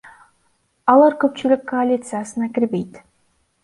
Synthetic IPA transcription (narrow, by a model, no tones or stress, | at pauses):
ɑlˠɑɾkɵpt͡ʃylykːoalʲit̪sɨjasɨnɑkʲɪɾbe̞jt̪